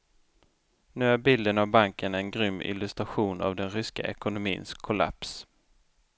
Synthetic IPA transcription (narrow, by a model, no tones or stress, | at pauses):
nʉ̟ːæɾbɪld̪ənavbaŋkənɛnɡɾʏmːɪ̰lɵst̪ɾaɧuːna̰vd̪ɛnɾʏska̰ʔɛkʊnʊmiːnskʰːʊla̰ps